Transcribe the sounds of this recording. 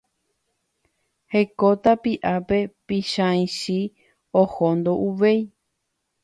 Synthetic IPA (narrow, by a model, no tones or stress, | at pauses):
hekot̪apiʔape̞pĩʃãĩʃi | ohond̪oʔuʋe̞j